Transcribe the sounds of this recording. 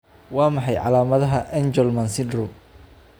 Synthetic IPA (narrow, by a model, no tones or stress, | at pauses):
wɑːmɑħɑjʕɑ̰laːmɐðɐɦɐʔɛnd͡ʒɔlmɐnsɪnd̪rʊm